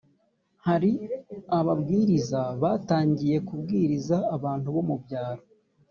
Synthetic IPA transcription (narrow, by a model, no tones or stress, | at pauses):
haɾiaβabɡiːɾizaβataːɲɟije̞kub̚ɡiːɾizaːβaːntuβo̞mubɟaːɾo